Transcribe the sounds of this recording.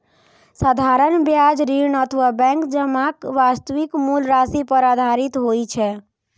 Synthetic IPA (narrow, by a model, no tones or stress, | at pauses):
sad̪ʱaɾəɳbjad͡ʒɾinət̪ʰəʋabɛ̃ŋkd͡ʒəmakʋast̪əʋikmulɾasipəɾad̪ʱaɾit̪ɦojt͡ʃʰɛ